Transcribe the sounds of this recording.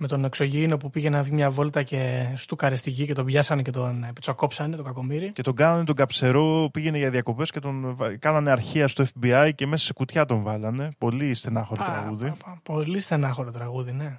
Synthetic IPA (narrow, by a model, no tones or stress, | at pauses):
me̞t̪o̞ne̞kso̞ʝino̞pupiʝenenɐvʝimɲɐvo̞lt̪ɐce̞st̪ukɐɾest̪icice̞t̪o̞bʝɐsɐnece̞t̪o̞nepi̥t͡soko̞psɐne̞t̪oɡɐko̞miɾice̞t̪o̞ŋɡɐnɐne̞t̪o̞ŋɡɐpse̞ɾo̞piʝe̞neʝɐðiɐko̞pe̞sce̞t̪o̞nvkɐnɐne̞ɐɾçiɐst̪oefbiɐjce̞me̞sɐ̥se̞̥kut̪çɐt̪o̞ɱvɐlɐne̞po̞lisθe̞nɐxo̞ɾot̪ɾɐɣuðipo̞lisθe̞nɐxo̞ɾot̪ɾɐɣuðine̞